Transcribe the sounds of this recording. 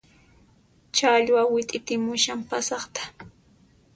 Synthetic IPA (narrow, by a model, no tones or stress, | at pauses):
t͡ʃaʎwawɪt̪ʼɪt̪ɪmʊʃampasɑχt̪ḁ